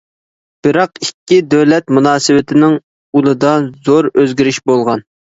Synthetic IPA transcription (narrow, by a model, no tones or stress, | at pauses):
b̥ɪɾɑqikʲːid̪øwlɛt̪munɑːsɨwɪt̪ʰɪnɪŋ | ulˠɨd̪ɑzoɾøzɡʲiɾɪʃbolˠʁɑn